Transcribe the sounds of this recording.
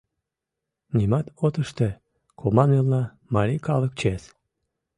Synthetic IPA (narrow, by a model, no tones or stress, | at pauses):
nʲimɑt̪ot̪əʃt̪e | kʰomɑnelnɑ | mɑɾikɑlək̚t͡ɕes